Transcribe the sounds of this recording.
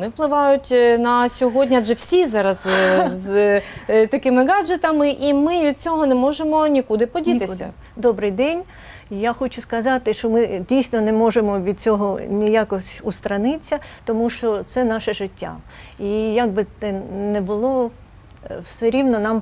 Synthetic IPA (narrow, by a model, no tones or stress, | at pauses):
ɔnɪwplˠɪʋɑjʊtʲnɐsʲɔɦɔdʲnʲiad͡ʒʒɛwsʲizɑɾɐzz | t̪ɐkɪmɪɡɑd͡ʒet̪ɐmɪʔimɪʋʲid̪̚t͡sʲɔɦɔnɛmɔʒemɔnʲikud̪ɪpɔdʲit̪ɪsʲɐ̰ | d̪ɔbɾɪjd̪ɛnʲ | jaxɔt͡ʃʊskɐzɑt̪ɪʃt͡ʃɔmɪdʲijsʲnɔnɛmɔʒemɔʋʲid̪̚t͡sʲɔɦɔnʲijakɔsʲust̪ɾɐnɪt͡sʲːɐt̪ɔmuʃt͡ʃɔt̪sɛnɑʃɛʒɪtʲːa̰ | ijaɡ̚bɪɛnɛbʊlˠɔ | wsɛɾʲiwnɔnɑm